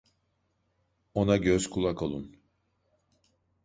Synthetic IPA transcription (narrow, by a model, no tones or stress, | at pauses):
o̞naɟøz̥kʰulˠakʰolˠun